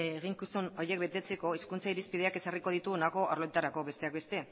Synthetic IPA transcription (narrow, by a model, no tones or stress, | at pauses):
ɣiŋkisuno̞jek̚be̞t̪e̞t͡se̞ko̞iskunt͡saiɾispið̞e̞ake̞sariko̞ðit̪unako̞ʔaɾlo̞jt̪aɾako̞βe̞st̪e̞ak̚be̞st̪e̞